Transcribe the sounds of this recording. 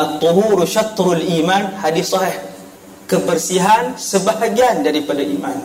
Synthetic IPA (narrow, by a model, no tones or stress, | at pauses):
at̪ˤːoɦuɾʃat̪ɾalʔimanhadisɑɦih | kəbərsiɦansəbaɦaɡiandaɾipadaʔḭman